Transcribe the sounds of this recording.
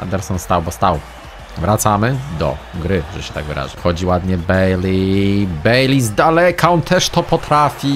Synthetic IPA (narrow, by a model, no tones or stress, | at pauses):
a̰nd̪ɛɾsɔnst̪awbɔst̪aw | vɾat̪samɘd̪ɔ̰ɡɾɘʐɛɕɛt̪a̰ɡvɨ̰ɾa̰ʐɨxɔd͡ʑiwad̪ɲɛbɛjlibɛjlʲizd̪alɛkaɔnt̪ʰɛʂt̪ɔpɔt̪ɾafʲi